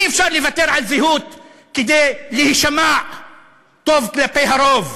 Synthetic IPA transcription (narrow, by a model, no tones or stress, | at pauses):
efʃaʁlevat̪eʁʕalziɦut̪ | ked̪ejlehiʃama | t̪o̞vklapejɦaɾov